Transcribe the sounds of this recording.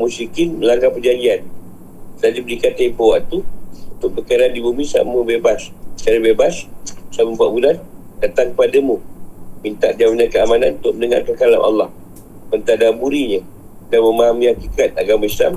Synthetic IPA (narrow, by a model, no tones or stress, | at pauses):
musikinməlaŋkapərd͡ʒaɲd͡ʒian | dad͡ʒibəikat̪epawaʔt̪uunt̪ʊʔ̚bəkaɾandibumĩsa̰məbebast͡ʃaɾibebassamumpaʔ̪bulandat̪aŋkəpadamũmint̪a̰ʔdiaminakəamana̰nunt̪ʊʔ̚mənəŋa̰rkəkala̰nʔa̰lːɑh | mənt̪adabuɾiɲə̃ | kaməmaɦamĩhakikat̪̚a̰ɡamaisla̰m